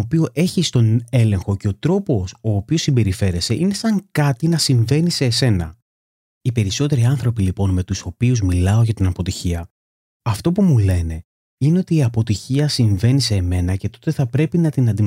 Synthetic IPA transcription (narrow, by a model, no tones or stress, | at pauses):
pioʔe̞çist̪o̞ne̞le̞ŋxo̞ce̞o̞t̪ɾo̞po̞so̞ːpio̞simbe̞ɾife̞ɾe̞se̞ʔine̞sɐŋkɐt̪inɐsiɱve̞nise̞ːse̞nɐ̰ | ipe̞ɾiso̞t̪e̞ɾiɐnθɾo̞pilipo̞nme̞t̪uso̞piuzmilɐo̞ʝɐt̪inɐpo̞t̪içiɐ | ɐft̪o̞pumule̞ne̞ | ine̞ot̪iːɐpo̞t̪içiɐsiɱve̞nise̞me̞nɐce̞t̪o̞̥t̪e̞θɐpɾe̞pinɐt̪inɐnd̪i